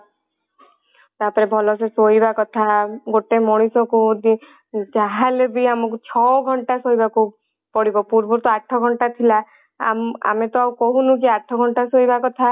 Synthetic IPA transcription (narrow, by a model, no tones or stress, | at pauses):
t̪apɔɾebʱɔlɔsesoibakɔt̪ʰaɡoʈemoɽ̃isɔkud̪i | d͡ʒaɦalebiamɔkut͡ʃʰɔɡʱɔɳʈasoibaku | pɔɽibɔpuɾbuɾt̪ɔaʈʰɔɡʱɔɳʈat̪ʰila | a̰ma̰met̪ɔawkɔɦunũk̬iaʈʰɔɡʱɔɳʈasojbakɔt̪ʰa